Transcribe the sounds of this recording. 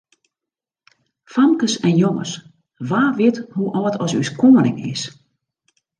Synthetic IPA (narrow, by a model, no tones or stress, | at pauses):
famkəsɛnjoŋə̰s | ʋaːʋɪthuʔɔːtʰɔsyskʰoənɪ̰ŋɪ̰s